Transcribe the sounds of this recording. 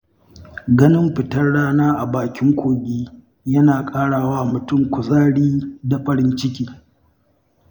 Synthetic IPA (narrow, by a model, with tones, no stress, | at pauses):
ɡɐ˦nɪ˦mɸɪ˨tɐ˦rɽaː˦naː˦ʔa˨baː˨kʲɪ˦ŋkʷoː˨ɡʲiː˦ | jɐ˦naː˨kʼaː˦ɽaː˨waː˦mʊ˨tʊ˦˨ŋkʷʊ˨zaː˦ɽiː˦da˨ɸɐ˨ɽɪ˦nt͡ʃɪ˦kʲiː˦